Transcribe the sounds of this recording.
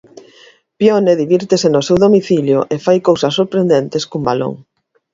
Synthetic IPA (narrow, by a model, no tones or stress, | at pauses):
pjoneðiβiɾt̪esenosewðomiθiljoʔefajkowsɐsːoɾpɾend̪ent̪eskumbalo̰ŋ